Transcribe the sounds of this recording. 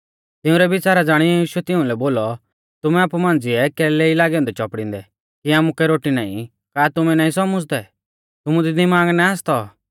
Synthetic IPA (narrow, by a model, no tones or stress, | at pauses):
t̪ɪʊ̃ɾɛbɪt͡ʃaːɾad͡zaːɽ̃iiːʃʊɛt̪ɪʊ̃lɛboːlɔ | t̪ʊmɛaːpumãːnd͡zɪɛkɛːlɛilaːɡɛ̃nd̪ɛt͡ʃɔpɽɪ̃ːnd̪ɛ | kiaːmukɛɾoːʈina̰ːḭ̃ | kaːt̪ʊmɛnaːĩsɔmʊd͡zd̪ɛ | t̪ʊmũd̪id̪ɪmaːɡnɛaːst̪ɔ